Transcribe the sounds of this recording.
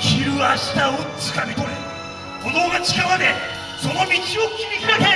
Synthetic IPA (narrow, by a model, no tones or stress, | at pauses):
çʲiɾɯ̟aɕi̥t̪aot͡sɨ̥kamʲit̪oɾe | kod̪oɡat͡ɕi̥kamad̪e | so̞no̞mʲit͡ɕiokʲimʲikʲiat̪e